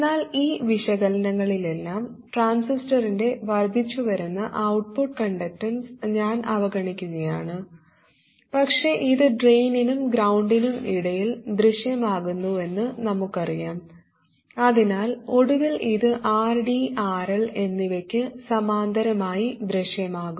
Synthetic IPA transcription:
enːaːliːʋiʂɐɣɐlɐnɐŋːɐɭile̞lːaːm | ʈraːnsisʈɐrinde̞ʋɐrd̪ʱːit͡ɕːuʋɐɾunːɐʔɐwʈ̚puʈ̚kɐɳɖɐk̚ʈɐnsɲaːnʔɐʋɐɡɐɳikʲːuɣɐjaːɳɨ | pɐkʂe̞ʔiðɨɖrejninumɡɾɐwɳɖinumiɽɐjild̪rɨɕjɐmaːɣunːue̞nːɨnɐmukːɐrijaːm | ɐðinaːlo̞ɽuʋiliðɨʔaːrɖiaːrele̞nːiʋɐkʲːɨsɐmaːnd̪ʱɐɾɐmaːjid̪ɾɨʂjɐmaːɣum

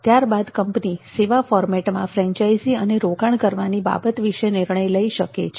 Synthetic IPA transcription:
t̪jaɾbad̪kəmpniseʋafɔɾmɛʈmã̰fɾɛ̃ɲt͡ʃaiziəneɾoɡaɳ̃kəɾʋaniba̰bət̪ʋiʃenɪɾɳ̃əjləiʃəkḛt͡ʃʰ

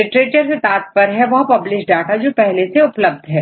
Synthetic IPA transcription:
ɪʈɾeːʈəɾket̪aːt̪̚pɐɾɦɛʋɐɦpɐblɪʃɖaːʈad͡ʒoːpɛɦleseʊpləb̚d̪ʱɦɛː

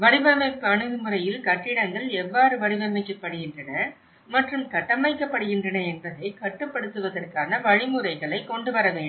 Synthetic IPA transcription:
ʋɐɽɪʋɐmɐɪpːɯɐɳɯɣɯmɯrɐjɪlkɐʈːɪɽɐŋɡɐɭɛʋːaːɾɯʋɐɽɪʋɐmɐɪkːɐpːɐɽɯɣɪndrɐnɐ | mɐʈrɯmkɐʈːɐmɐɪkːɐpːɐɽɯɣɪndrɐnɐɛnbɐðɐɪkɐʈːɯpːɐɽɯt̪ːɯʋɐðɐrkaːnɐʋɐɻɪmɯrɐɪɣɐɭɐɪkːɔɳɖɯʋɐɾɐʋeːɳɖɯm

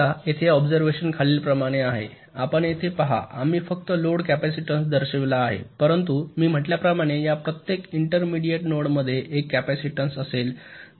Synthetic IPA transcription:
aet̪ʰeɔbd͡zəɾʋeɕənkʰaliːlpɾəmaɽ̃eaɦḛ | apəɳjet̪ʰepəɦa̰ʔamiːfəkt̪əloɽkæpæsiʈənsd̪əɾɕeʋlaːɦḛpəɾənt̪umiːm̤əʈljapɾəmaɽ̃ejapɾət̪jekiɳʈəɾmiɽijeʈnoɽməd̪ʱːjeʔːkːæpæsiʈənsəsel

